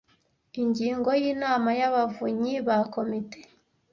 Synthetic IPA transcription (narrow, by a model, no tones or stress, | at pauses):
iɲɟiːŋɡo̞jiːnaːmajaβavuɲiβako̞mite̥